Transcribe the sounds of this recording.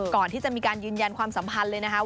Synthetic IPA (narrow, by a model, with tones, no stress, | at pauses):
kɔː˨˩nt̪ʰiː˥˩t͡ɕa˨˩miː˧kaː˧njɯː˧nja˧nkʰwaː˧msa˨˩˦mpʰa˧nlɤː˧jna˦˥kʰa˦˥